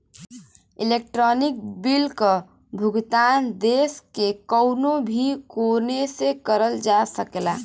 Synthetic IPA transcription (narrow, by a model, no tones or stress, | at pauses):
ilek̚ʈɾɔnik̚bilkə | bʱuɡt̪and̪eskekəwnobʱikonesekəɾəld͡ʒasəkela̰